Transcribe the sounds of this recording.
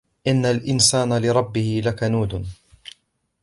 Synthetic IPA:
ʔɪnːalʔɪnsaːnalɪɾˤɑbːɪhɪlakanuːd̪ʊn

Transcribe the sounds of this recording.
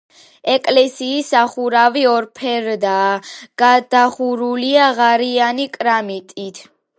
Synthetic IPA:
ɛkʼlɛsiːsaχuɾaviɔɾpʰɛɾd̪aːɡ̥ad̪̥aχuɾuliaʁaɾianikʼɾamit̪ʼit̪ʰ

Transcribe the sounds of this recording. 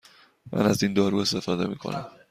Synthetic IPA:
mʔæ̰næzind̪ɒːɾuːe̞st̪e̞fɒːd̪e̞̰miːkʰo̞̰næm

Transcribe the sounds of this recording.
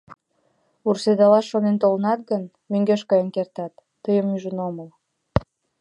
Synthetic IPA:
ursed̪ɑlɑʃːonent̪olənɑt̪̚ɡən | møŋɡeʃkɑjənkert̪ɑt̪ːəjəmːyʒənoməl

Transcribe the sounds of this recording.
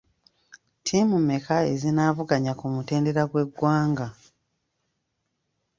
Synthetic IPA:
tʰimumekaezinaːvuɡaɲakumute̞ːnde̞ɾaɡwe̞ɡːwaːŋɡa

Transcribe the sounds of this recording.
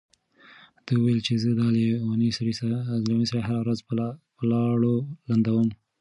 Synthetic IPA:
d̪̥əuwajlt͡ʃezəd̪ɑlenisaɾislewanisaɾaɦaɾawɾazpəlɑɽoland̪awəm

